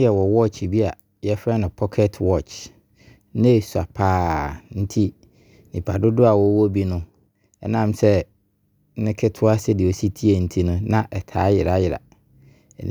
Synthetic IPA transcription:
jɛ˨wɔ˨wɔ˦t͡ʃbi˦a˨ | jɛ˦fɾa˦nʊ̃˨pʰɔ˦kʰɛ˦tʰwɔ˦˨t͡ʃ | nɛ̃˦˨sa˨pʰaː˦n̩˦tʰi˦ | nĩ˨pʰa˨dʊ˦dʊ˦a˨wɔ˨˦wɔ˦bi˦nʊ̃˦ | ɛ̰˦nã˦˨msɛ˦ | nɪ̃˦kʰɪ˦tʰʊ˦a˦sɛ˦dɪ˨o˨si˦tʰi˦e˨n̩˦tʰi˦nʊ̃˦nã˨ʔɛ˨tʰaː˨˦jɪ˨ɾa˨˦jɪ˨ɾa̰˨

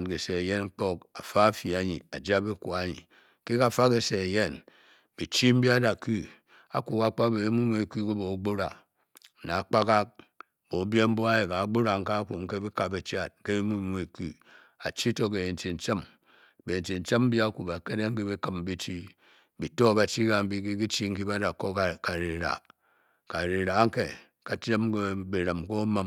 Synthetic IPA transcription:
n˨ke˨se˨e˨je˦nŋ͡m̩˦k͡po˦k̚a˨fa˦fi˨a˨ɲḭ˨a˨d͡ʒa˦bi˦kʷu˨a˦ɲḭ˨ | ke˦ka˨fa˦ke˨se˨e˨je˦n | b̥i˨t͡ʃi˦m̩˦bi˦a˦da˨ku˦ | a̰˨ku˨ka˦k͡pa˦be˨e˦mu˦m˦˨e˨ku˦ke˦bo˨˦ɡ͡bo˦ɾa˨ | na˨a˨k͡pa˦ka˦k̚ | bo˨˦bje˦m̩˦bo˦a˦je˨ka˨˦ɡ͡bo˦ɾa˨ŋ̩˦ka˦ku˨ŋ̩˦ke˦bi˦ka˨be˨t͡ʃa˦˨t̩̚˦ke˦bi˦mu˦˨e˨ku˦ | a̰˨t͡ʃi˦to˦k̬e˨je˨n̩˨t͡ʃi˨n̩˨t͡ʃe˦m | be˨n̩˨t͡ʃi˨n̩˨t͡ʃe˦m̩˦bi˦a˦ku˨ba˨ke˦de˦ŋ̩˦ki˦bi˦kɨ˦m˦bi˦t͡ʃi˦ | bi˨to˦ba˦t͡ʃi˦ka˨m̩˦bi˦ki˦ki˦t͡ʃi˦ŋ̩˦ki˦ba˦da˨ko˦˨ka˨ɾi˨ɾa̰˨ | ka˨ɾi˨ɾa˨˦ŋ̩˦ke˨ | ka˨t͡ʃɾe˦mkbe˨ɾə˨mko˦ma˦m

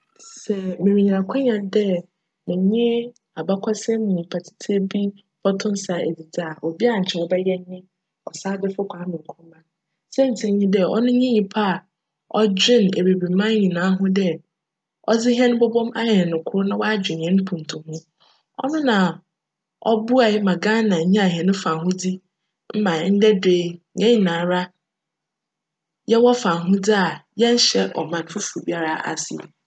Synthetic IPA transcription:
sɛ˨mɪ̃˨mĩ˨ɲ˨ã˨kʷʰʊ̃˦ɲã˨ndɛ˦ | mɪ̃˨ɲɪ̃˦ | a˨ba˦kʷʰa˦sɛ˦mɪ̃˨ɲĩ˨pʰa˨tʰi̥˦tʰe˦bi˦ | b̥ɔ˦tʰʊ̃˦n˦sa˨ḛ˨di˨da˨o˨bi˦a˨ɲ̩˨t͡ɕʰɛ˨ɔ˨bɛ˦jɛ˦ɲɪ̃˦ | ɔ˨saː˦dɪ˦fʊ˦kʰʷa˨˦mɪ̃˨ŋ̩˨kʰu˦mã˦ | sɛ˦n̩˨tʰɪ˨˦ɲĩ˦dɛ˦ɔ̰˦nʊ̃˦ɲĩ˦ɲĩ˨pʰa˦a˨ | ɔ˦d͡ʑᶣɪ̃˦˨ne˨be˨bi˨mã˦ɲĩ˨nãː˨˦ɦʊ̃˦dɛ˦ | ɔ˦d͡zɪ˦ɦɛ̃˦nʊ̃˦bɔ˦bɔ̃˦ma˦jɛ˨nʊ̃˨kʰʊ˦ɾnã˦wa˦d͡ʑᶣɪ̃˨n˨ɛ̃˦n˦pʰũ˨n˨tʰʊ̃˨hʊ̃˦ | ɔ̰˦nʊ̃˦nã˨ | ɔ˦bu˦a˨ɪ˦mã˨ɡã˦nã˨ɲ̩˦ɲĩ˦a˨ɦɛ˨nʊ̃˦fã˨ɦʊ̃˦di˦ | m̩˦mã˨˦n̩˦dɛ˦deː˦ɛ̃˦i˨nãː˨˦ɾa˦ | jɛ˦wɔ˦fã˨ɦʊ̃˦d͡zi˦a˨jɛ˦n̩˦ɕɛ˦ʔɔ̰˨mã˨n˨fʊ˦fu˨bi˦a˦ɾa˨a̰˨sɪ̰˨ɛ̰˨

